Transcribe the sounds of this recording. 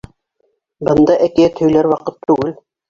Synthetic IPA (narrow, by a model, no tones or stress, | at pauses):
bɤ̆nd̪ɑʔækɘjæt̪hɵ̆jlæɾwɑqɤt̪ːʉɡɘl